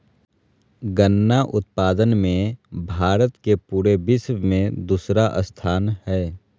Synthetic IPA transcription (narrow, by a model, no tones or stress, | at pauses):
ɡənːaʔʊt̪̚paːd̪ənmẽbʱaːɾət̪kepuːɾebɪswmẽd̪uːsɾaʔə̰st̪ʰaːnhɛː